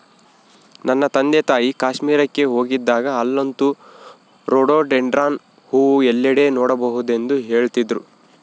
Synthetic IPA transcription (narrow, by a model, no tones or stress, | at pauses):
nɐnːɐt̪ɐnd̪et̪aːjikaːʃmiːɾɐkːe̞ɦo̞ːɡid̪ːaːɡɐːlːont̪u | ɾoːɽoːɖeɳɖɾaːn | huːuɛlːɐɽeːnɔːɽɐbɐɦud̪e̞nd̪uɦe̞ːɭt̪id̪ɾu